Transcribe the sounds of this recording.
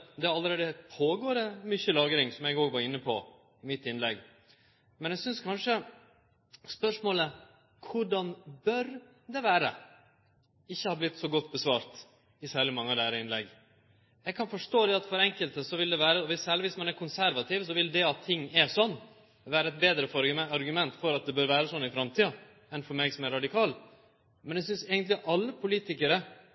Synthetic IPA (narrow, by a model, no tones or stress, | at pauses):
d̪ɛɑlːəɾeːd̪əpʰoːɡoːɾəmʏçːəlɑːɡɾɪŋsɔmjæɡoːɡʋɑɾɪnːəpʰɔ | ɪmɪt̪ːɪnlɛɡ | mɛnjɛɡsʏnskʰɑnʂə | spœʂmoːlə | kʰʊɖɑnbœɾ | d̪ɛʋæːɾə̰ | ɪçːəhɑːblɪt̪ːsɔɡɔt̪ːbəsʋɑːɾt̪ | ɪsæːɭɪmɑŋːəd̪æːɾəɪnlɛɡː | jɛɡkʰɑnfɔʂʈoːd̪ɛɑt̪fɔɾɛŋkəlt̪əsɔʋɪld̪ɛʋæːɾəɔʋɪsæːɭɪʋɪsmɑnæɾkʰʊnsæɾʋɑt̪ʰiːʋsɔʋɪld̪ɛɑt̪ʰːɪŋːɛʂɔnː | ʋæːɾəɛt̪̚beːd̪ɾəfɔɾɑɾɡʉmɛnt̪fɔɾɑt̪̚d̪ɛbœːɾʋæːɾəsɔnːɪfɾɑmt̪ʰiːɑ | ɛnfɔɾmeːɡsɔmæɾɑd̪ɪkʰɑːl | mɛnjɛɡsʏnsɛːɡənt̪lɪʔɑlːəpʰʊliːt̪ɪkəɾə